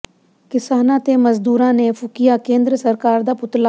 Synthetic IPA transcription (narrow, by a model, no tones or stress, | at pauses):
kɪsaːnãːt̪eːməzd̪uːɾãːneːpʰʊkijaːkẽːnd̪ɾəsəɾkaːɾd̪aːpʊt̪laː